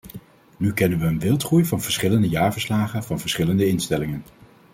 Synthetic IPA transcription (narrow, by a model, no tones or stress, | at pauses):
nykɛnənʋəːnʋɪlˠtχrujvɑnv̥əɹsχɪləndəjaːɹvəɹslaːχənvɑnvəɹsχɪləndəɪnstɛlɪŋən